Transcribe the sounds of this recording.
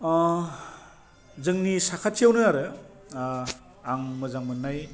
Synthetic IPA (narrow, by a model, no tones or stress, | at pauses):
zɯŋnisakʰatʰːijawnɯaɾɯ | aŋmɯzaŋmɯnːaj